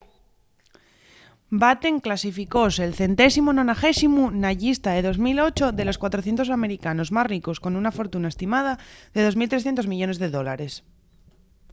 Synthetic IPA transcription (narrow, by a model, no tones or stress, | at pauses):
bat̪e̞ŋklasifiko̞selθe̞nt̪e̞simononaxe̞simunaʝist̪aðeðo̞zmilo̞t͡ʃo̞ðe̞lo̞skwat̪ɾoθje̞nt̪o̞s̬ame̞ɾikano̞zmasriko̞sko̞nunafo̞ɾt̪unae̞st̪imað̞aðe̞ð̞o̞zmilt̪ɾesθjent̪ozmiʝo̞ne̞zðe̞ðo̞laɾes